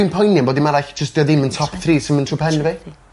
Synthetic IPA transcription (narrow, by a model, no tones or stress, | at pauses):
ɪmpʰɔjnjanbɔːdimaɾajɬd͡ʒəstd̥jɔðɪməntʰɔpθriːsɪməntʰrupʰɛnvi